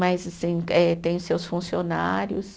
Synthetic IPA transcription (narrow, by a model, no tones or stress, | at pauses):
majzasĩɛt̪ẽj̃ʊsewsfũsionaɾjʊs